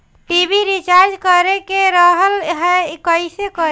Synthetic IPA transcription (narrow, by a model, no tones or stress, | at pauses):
ʈibiɾit͡ʃaɾd͡ʒkəɾekeɾəɦəlɦɛkəɪsekəɾ